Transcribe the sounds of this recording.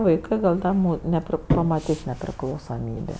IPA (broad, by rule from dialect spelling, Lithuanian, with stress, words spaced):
ʋɐɪˈkɜ ɡɐlʲ ˈdɐ muː nʲɛˈpʲrʲɪ pɐmɐˈtʲɪs nʲɛpʲrʲɪklˠɐʊsoːˈmʲiːbʲeː